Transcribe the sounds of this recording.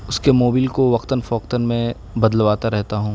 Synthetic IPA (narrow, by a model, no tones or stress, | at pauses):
ʊskemoːbiːlkoʋɐqt̪ənfɔːq̚t̪ənmẽ | bɐd̪lʋaːt̪aɾɛɦt̪aɦũː